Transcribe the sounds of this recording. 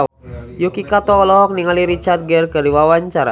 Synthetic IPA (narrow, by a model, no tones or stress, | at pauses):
jukikat̪ɔɔlɔɦɔk̚niŋaliɾit͡ʃart̪̚ɡɛrkərdiwawaɲt͡ʃaɾa̰